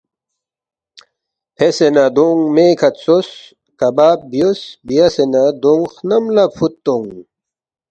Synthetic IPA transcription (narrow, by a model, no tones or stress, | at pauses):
hesenad̪oŋmeːkʰɐt̪sos | kɐbaːp̚bjosbijɐsenad̪oŋxnɐmlɐpfut̪ːoŋ